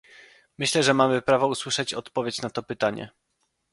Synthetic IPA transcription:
mɘɕlɛʐɛmamɘpɾavɔuswɘʂɛt͡ɕɔt̪pɔvʲjet͡ɕnat̪ɔpɘt̪aɲɛ̰

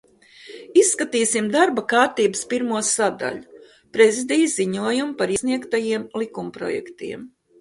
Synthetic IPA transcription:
isːkat̪iːsimd̪aɾbakaːɾt̪iːbɨspiɾmuɔsad̪a̰ʎu | pɾezid̪ijzziɲuɔjumpaɾisniɛkt̪ajiɛmlˠikumpɾɔ̰jɛ̰kt̪ḭɛm

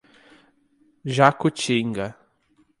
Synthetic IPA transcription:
ʒakut͡ʃĩŋɡɐ

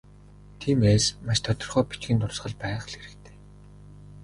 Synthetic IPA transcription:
t̪ʰiːmeːsmaʃt̪ʰɔt̪ɞ̆rχœːpit͡ɕɡɘ̆nt̪ʊrsχə̆ɮpæːχɮeɾɘ̆kt̪ʰe̥ː

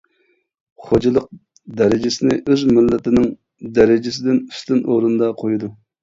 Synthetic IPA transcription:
χod͡ʒɑlˠəq̚ | d̪ɛɾɪd͡ʒɪsɪnɪʔøzmɪlːɪt̪ɪnɪŋ | d̪ɛɾɪd͡ʒɪs̬ɪd̪ɪny̥st̪ɪnʔoɾunɨd̪ɑqʰojud̪u

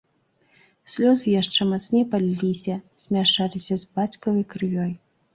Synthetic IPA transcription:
sʲlʲɔzɨjaʂt͡ʂɛmasnʲɛpalʲːisʲɐsʲmʲaʂalʲisʲɐzbat͡sʲkɐvɐjkɾɨvʲɔj

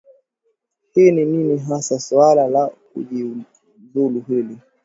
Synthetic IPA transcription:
hinininiɦasaswalalakṵʄi | vuluɦili

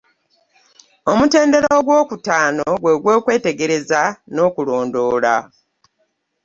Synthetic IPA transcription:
o̞mute̞ːnde̞ɾoːɡwo̞ːkutaːnoɡwe̞ɡwe̞ːkwe̞ːte̞ɡe̞ɾe̞zano̞ːkulo̞ːndo̞ːla̰

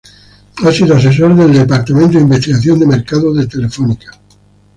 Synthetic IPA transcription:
asiðoas̬e̞s̬oɾðe̞ld̪epaɾt̪amẽnt̪o̞imbest̪iɣaθjond̪emeɾkaðoðet̪e̞le̞fonikḁ

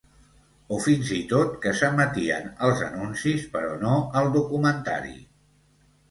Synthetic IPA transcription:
ofinzit̪ot̪kəsəmət̪iə̰nəlˠzə̰nunsispəɾɔnoəlˠd̪ukumənt̪a̰ɾḭ

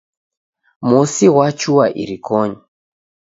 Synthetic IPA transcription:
musiɣwat͡ʃuwaʔḭɾikɔɲɔ

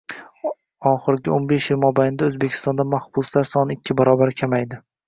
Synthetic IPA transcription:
ɒχɪɾɡʲɪonbe̞ʃjɪlmɒbajnɪd̪aoɵzbekʲʰɪ̥st̪ɒnd̪amahbʊslaɾsɒnɪɪkʲʰːɪbaɾɒbaɾkʲʰamajd̪ɪ

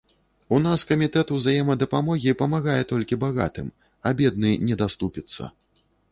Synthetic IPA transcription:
un̪askɐmʲit̪ɛt̪uwzajɛmɐd̪ɐpamɔɣʲipɐmaɣajɛt̪ɔlʲkʲibaɣa̰t̪ɨ̰m | ɐbʲɛd̪̚nɨnʲɛd̪ast̪upʲit̪sːɐ̰

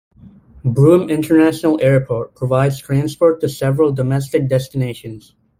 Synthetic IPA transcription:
bɹũmɪ̃ntʰə˞næʃnl̩ˠɛɹpʰɔɹt̚pʰɹ̥əvaɪdz̥tʰɹ̥æ̃nspɔɹtʰɨsɛvɹəl̩ˠdəmɛs̬tɨk̚d̥ɛstɨneɪʃɨ̃nz̥

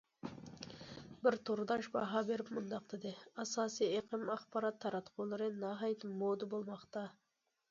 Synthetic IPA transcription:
bɪɾt̪ʰoɾd̪ɑʃbɑɦɑbeɾɪpmʊnd̪ɑqt̪ʰɨd̪ɪɑsɑːsieqʰɨmɑχpɑɾɑt̪ʰːɑɾɑt̪qʰolˠɨɾɨnɑɦɑjt̪mod̪ɨbolˠmɑqt̪ɑ

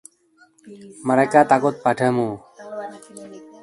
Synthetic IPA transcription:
maɾajkat̪akɔt̪̚paʈʰəmo

